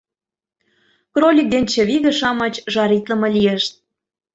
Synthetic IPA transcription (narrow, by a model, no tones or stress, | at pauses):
krolʲik̚d̪ent͡ɕĕβiɣə̆ʃɑmɤt͡ɕʒɑɾit̪lə̆mɤ̆lʲieʃt̪̚